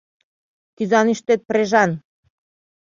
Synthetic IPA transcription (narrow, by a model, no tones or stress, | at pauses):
kyzɑnyʃt̪et̪̚pɾeʒɑn